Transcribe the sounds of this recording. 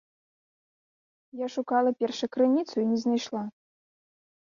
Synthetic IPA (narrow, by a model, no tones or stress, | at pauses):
jaʂukɑlˠɐpʲɛrʂɐkɾɨnʲit̪suinʲɛznajʂlˠa